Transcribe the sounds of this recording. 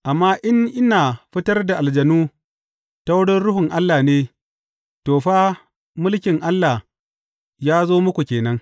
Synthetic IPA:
ʔa˨mːaː˦ʔɪ˦ŋʔɪ˦naː˨ɸɪ˦tɐ˦rda˨ʔa˨ld͡ʒɐ˨nuː˦ | ta˦wɽɪ˦nɽʊ˦ɦʊ˨ŋʔa˦lːaː˨neː˦ | toː˨ɸaː˦ | mʊ˦lkʲɪ˨ŋʔa˦lːaː˨ | jaː˦zoː˦mʊ˦kʷu˨kʲeː˨nɐ˦ŋ

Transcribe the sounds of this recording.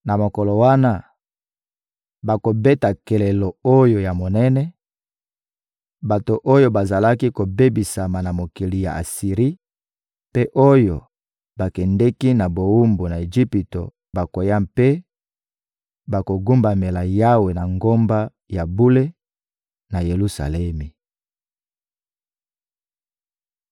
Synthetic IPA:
na˨mo˨ko˨lo˨wa˦na˦ | ba˨ko˨bɛ˦ta˨kɛ˨le˨lo˨o˦jo˨ja˨mo˨nɛ˦nɛ˦ | ba˨to˨ʔo˦jo˦ba˨za˨la˦ki˦ko˨be˦bi˨sa˨ma˨na˨mo˨ki˨li˨ja̰˨a˨si˨ʁi˦ | pe˦ʔo˦jo˨ | ba˨kɛ˨ndɛ˦ki˦na˨bo˨u˦mbo˨na˨e˨ʒi˦pi˨to˨ | ba˨ko˨ja˦mpe˦ | ba˨ko˨ɡu˦mba˨me˨la˨ja˦we˨na˨ŋɡo˦mba˦ | ja˨bu˦le˦ | na˨je˨lu˦sa̰˨lɛ˦mi˨

